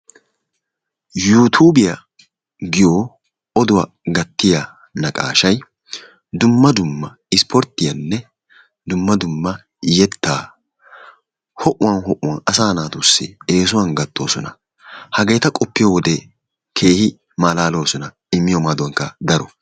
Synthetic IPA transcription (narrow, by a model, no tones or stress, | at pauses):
juːt̪ʰuːbɪjɐ | ɡɪjoː | ɔd̪ʊwɐ | ɡɐt̪ːɪja | nɐkʼa̰ːʃɐj | d̪ʊmːɐd̪ʊmːɐ | ɪspʰɔɾt̪ːɪjɐnːɛ | d̪ʊmːɐd̪ʊmːɐ | jɛt̪ːaː | hɔʔʊwɐnhɔʔʊwɐnɐsaːnaːt̪usːɪ̰e̞ːs̬ʊwɐnɡɐt̪ʰːo̞̰ːsɔnɐ̰ | hɐɡe̞ːt̪ɐkʼɔpːɪjɔwɔd̪ɛ | kʰe̞ːhɪ | maːlaːlo̞ːsɔnɐ | ɪmːɪjɔmaːd̪ʊwɐŋkːɐd̪ɐɾɔ